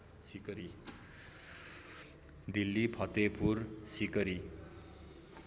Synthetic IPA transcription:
sikʌɾi | d̪ilːipʰʌt̪epʰursikʌɾi

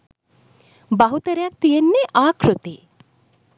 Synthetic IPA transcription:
baɦut̪əɾejak̚t̪ijenːeʔaːkʰɾut̪eː

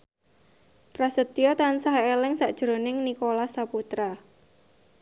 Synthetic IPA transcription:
pɾasət̪ijɔt̪ansaɦelɪŋsaʔd̥ʒ̥ɾo̤nɪŋnikolasaput̪ɾa

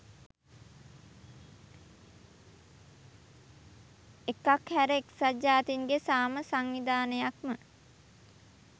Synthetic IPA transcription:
ekːakhæɾeeksad͡ʒːaːt̪iŋɡesaːməsaŋʋid̪aːnəjakmə

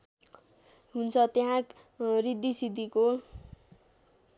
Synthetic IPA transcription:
ɦunt͡sʰʌt̪eɦãk | rid̪isid̪iko

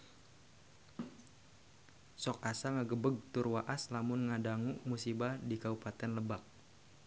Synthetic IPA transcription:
sɔk̚asaŋəɡəbəɡ̚t̪ʊrwaʔaslamʊnŋadaŋuʔmusibadikaupat̪ɛnləbak̚

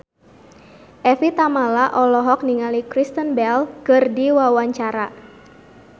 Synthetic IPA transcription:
ʔɛfit̪amalaʔɔlɔɦɔk̚niŋalikɾist̪ənbɛlkərdiwawaɲt͡ʃaɾa

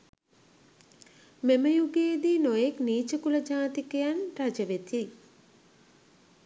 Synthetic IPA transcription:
meməjuɡeːd̪inojekniːt͡ʃəkuləd͡ʒaːt̪ikəjanrad͡ʒəʋet̪i

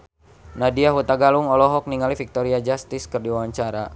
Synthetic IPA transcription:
nadiaɦut̪aɡaluŋɔlɔɦɔk̚niŋalifik̚t̪ɔɾiad͡ʒast̪iskɨrdiwawaɲt͡ʃaɾa̰

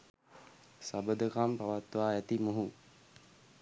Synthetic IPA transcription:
sabəd̪əkampaʋat̪ʋaːæt̪imuɦu

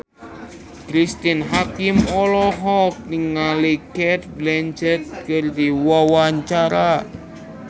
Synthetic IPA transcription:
kɾist̪inɦakimɔlɔɦɔk̚nɪŋːalikɛt̪̚blɛɲd͡ʒət̪̚kərd̪iwawaɲt͡ʃaɾa

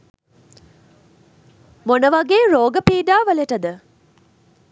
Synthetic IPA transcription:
monəʋaɡeːɾoːɡəpiːɖaːʋəleʈəd̪ə

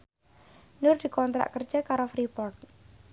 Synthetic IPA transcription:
nʊrd̪̥i̤kɔnt̪ɾa̰ʔkər̥ʒ̥akaɾofɾipɔrt̪̚

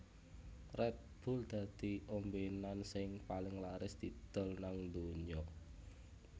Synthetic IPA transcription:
rɛt̪̚b̥ʊ̤ld̪̥a̤d̪̥i̤ʔombenansɪŋpalɪŋlaɾɪsd̪̥i̤d̪̥ɔ̤lnaŋnd̪oɲɔ

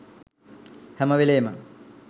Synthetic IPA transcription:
hɛməʋeleːmə

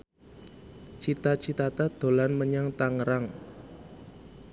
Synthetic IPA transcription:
t͡ʃit̪at͡ʃit̪at̪ad̪̥o̤lanməɲaŋt̪aŋəɾaŋ

